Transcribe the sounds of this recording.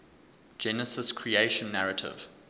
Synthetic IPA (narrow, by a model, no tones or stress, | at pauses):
d͡ʒɛnəsɪskʰɹieɪʃə̃nːaɹətʰɪ̰v̥